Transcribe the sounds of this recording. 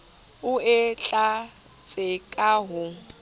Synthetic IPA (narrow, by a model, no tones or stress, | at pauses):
ʊɪt͡ɬʼa | t͡sʼɪkʼaɦʊ